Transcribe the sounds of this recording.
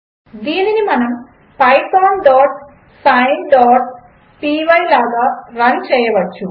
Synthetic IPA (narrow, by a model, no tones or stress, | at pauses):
d̪iːlinumɐnɐm | pɐjpoːnɖoːʈ | sɐjnɖoːʈ̚ | piʋɐjlaːɡɐrɐnt͡ɕejːɐʋɐt͡ɕːu